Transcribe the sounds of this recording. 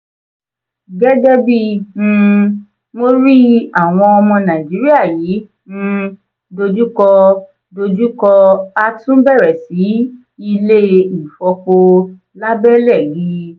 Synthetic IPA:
ɡɛ˦ɡɛ˦bi˦˨ñ̩˧ | mo˦ɾi˦a˦˨w̃ɔ̃˧ɔ˧mɔ̃˧nã˨d͡ʒi˨˦ɾi˦a˦˨jiː˨˦ | ñ̩˧ | do˧d͡ʒu˦kɔ˧ | do˧d͡ʒu˦kɔ˧a˧tũ˦bɛ˦˨ɾɛ˨si˨˦ | i˧le˦i˦˨fɔ˧ko˧ | la˦bɛ˦lɛ˦˨ji˨˦

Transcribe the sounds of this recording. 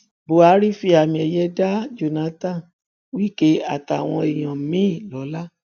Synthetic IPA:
bo˨a˨˦ɾi˦fi˧a˨mĩ˧ɛ˧jɛ˧˦da˦d͡ʒo˨nã˨˦tã˦˨ | wi˦˨ke˦a˨ta˨w̃ɔ̃˧e˨j̃ã˨mĩ˦˨lɔ˨˦la˦

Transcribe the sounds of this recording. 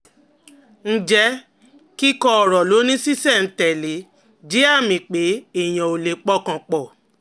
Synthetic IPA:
n̩˦d͡ʒɛ˦ | ki˦kɔ˦˧ɔ˨ɾɔ˨lo˨˦nĩ˦si˦sɛ˦˨n̩˨˦tɛ˨le˨˦ | d͡ʒi˨˦a˦˨mĩ˨k͡pe˨˦e˦˨j̃ã˨o˨le˨k͡pɔ˦kã˨˧k͡pɔ˨

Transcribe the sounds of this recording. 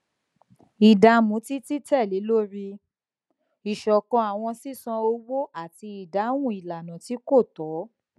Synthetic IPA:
i˨da˨mũ˨˦ti˦ti˦tɛ˦˨le˨˦lo˦ɾi˧ | i˨ʃɔ˨kɔ̃˧a˨w̃ɔ̃˧si˦˨sã˧o˧wo˦ʔa˦˨ti˧i˨da˨˦w̃ũ˦˨i˨la˨nã˨ti˨˦ko˦˨tɔ˨˦

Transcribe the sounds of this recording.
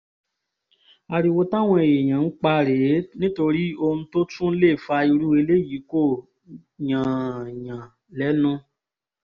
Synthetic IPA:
a˧ɾi˧wo˧ta˦˨w̃ɔ̃˧e˨je˨j̃ã˨˦k͡pa˧ɾe˨˦nĩ˦to˧ɾi˦o˧nũ˧to˦tũ˦n̩˦le˦˨fa˧i˧ɾu˦e˧le˦˨ji˨˦ko˦˨ | jã˨jã˨ | lɛ˨˦nũ˧

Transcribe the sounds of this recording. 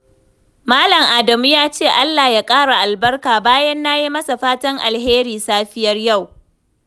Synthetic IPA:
maː˦lɐ˨ŋʔaː˨dɐ˨mu˦jaː˦t͡ʃeː˦˨ʔa˦lːaː˨jaː˦kʼaː˦ɽa˨ʔa˨lbɐ˦rkaː˨baː˦jɐ˦nːa˦ji˦mɐ˦sa˨ɸaː˦tɐ˦ŋʔa̰˨lɦeː˦ɾiː˨saː˦ɸɪ˦jɐ˦rja˦˨w

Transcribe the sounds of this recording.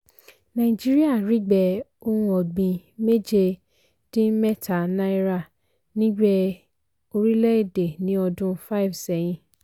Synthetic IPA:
nã˨i˨d͡ʒi˦ɾi˦a˦˨ɾi˨˦ɡ͡bɛ˨o˧hũ˧ɔ˨ɡ͡bĩ˨˧me˦d͡ʒe˧ | d̥ĩ˦mɛ˦ta˨nã˦i˦ɾa˦˨ | nĩ˦ɡ͡bɛ˦ | o˧ɾi˦lɛ˦i˦˨de˨nĩ˨˦ɔ˧dũ˦fa˦i˦˨vsɛ˨˦j̃ĩ˧

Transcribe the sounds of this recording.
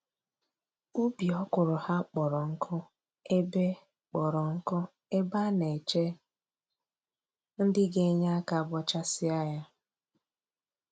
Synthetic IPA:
u˦bi˨ɔ˦kʊ˨ɾʊ˨ha˦k͡pɔ˨ɾɔ˨ŋ̩˦kʰʊ˦ | e˦be˦ | k͡pɔ˨ɾɔ˨ŋ̩˦kʊ˦ | e˦ba˦ne˨t͡ʃe˦ | n̩˦dɪ˦ɡe˦ɲa˦a˦ka˨bɔ˦t͡ʃa˦sɪ˦a˦ja˦

